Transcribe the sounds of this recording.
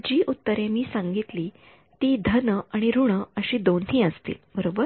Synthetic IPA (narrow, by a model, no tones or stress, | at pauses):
d͡ʑiːʔut̪ːəɾemiːsãŋɡit̪liː | t̪iːd̪ʱənəaɽ̃iɾuɳ̃əəɕiːd̪onɦiːəst̪ḭːlbəɾobəɾ